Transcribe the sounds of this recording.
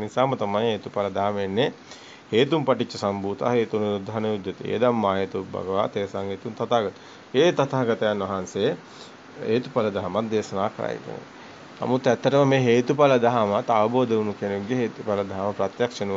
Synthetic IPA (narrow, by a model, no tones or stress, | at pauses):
nisaːmɐt̪amajɦeːt̪upalɐd̪aɦamenːe | heːt̪umpɐʈit͡ʃːɐsambuːt̪a̰ɦeːt̪ununud̪ʱːaɦnɐud̪jɐt̪ḛːd̪amːaːjɐt̪ubɐ̰ɡɐʋa̰ːt̪eːsaŋɦeːt̪unt̪at̪aːɡɐt̪u̥ | eːt̪at̪aɡɐt̪ɐjanʋɐɦanse | eːt̪upalɐd̪aɦamat̪̚d̪eːsɐnaːkɾa̰ːjḭkḛnḛ | na̰mut̪ːɛt̪ːɐʈəməmeːɦeːt̪upalɐd̪ɐɦamat̪ːaʋɐboːd̪ɐʋunukenuɡːeɦeːt̪upalɐd̪aɦamɐpɾat̪jakʂɐnuʋ